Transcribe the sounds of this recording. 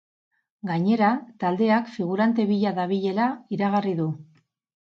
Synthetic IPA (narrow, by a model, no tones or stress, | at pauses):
ɡaɲe̞ɾat̪ald̪e̞akfiɣ̞uɾant̪e̞βiʎaðaβiʎe̞laiɾaɣ̞ariðu